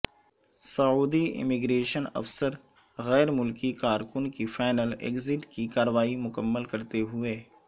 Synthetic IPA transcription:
sɐuːd̪iɪ̰mɪɡɾeːʃənɐ̰fsəɾ | ɣɛːɾmʊlkikaːɾkʊnkifaːɪnəlḛːkzɪʈkikaːɾəʋaːimʊkəmːəlkɐɾt̪eɦʊeː

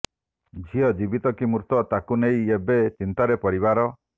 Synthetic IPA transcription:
d͡ʒʱiɔd͡ʒibit̪ɔkimuɾt̪ɔt̪akunejebet͡ʃint̪aɾepɔɽiβaɾɔ

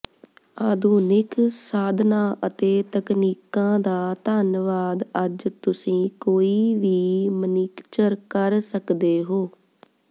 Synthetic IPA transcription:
aːd̪ʱuːnɪksaːd̪ʱnãːʔət̪eːt̪əkniːkãːd̪aːt̪aːnʋaːd̪əd͡ʒt̪ʊsĩːkoːiːʋiːməniːkt͡ʃəɾkəɾsəkd̪eːɦoː

